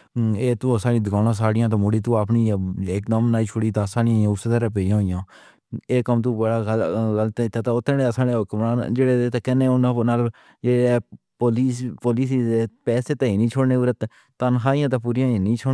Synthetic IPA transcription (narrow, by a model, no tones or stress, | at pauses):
eːt̪ũːəsaːlĩːd̪ɪkaːnãːs̬aːɽɪjãːt̪aːmoɽiːt̪uːaːpniːeːkd̪əmnaːiːt͡ʃʰoɽiːt̪aːsaːnɪjãːjãːʊsed̪əɾaːp̬eːjãːɦoːɪjãː | eːkəmt̪̬ũːbəɽaːɡɡəlt̪ːɪt̪ʰːaːt̪aːʊt̪ʰːẽːneəsãːɽeːʊkmɾaːnd͡ʒeːɽeːeːt̪aːkɛːneːʊnãːnaːl | d͡ʒeːe | poːliːspoːliːs̬iːdeːpɛːseːt̪ẽiːnĩːt͡ʃʰoːɽneːʊːɾət̪ | t̪ənɦaːɪjãːt̪aːpuːɾɪjãːĩnĩːt͡ʃʰoː